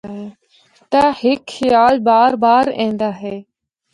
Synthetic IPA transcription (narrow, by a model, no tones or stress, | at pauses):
ɦeː | t̪aːhɪkxɪjaːlbaːɾbaːɾḛ̃ːnd̪aːɦeː